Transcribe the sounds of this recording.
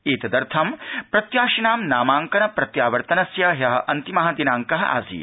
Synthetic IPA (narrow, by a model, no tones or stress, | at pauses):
iːt̪ɐd̪ɐɾt̪ʰɐmpɾɐt̪jaːʃinaːmnaːmaːŋkɐnɐpɾɐt̪jaːʋɐɾt̪ɐnɐsjɐjɐɦɐʔɐnt̪imɐɦɐd̪inaːŋkɐɦɐ̰ʔa̰ːsḭː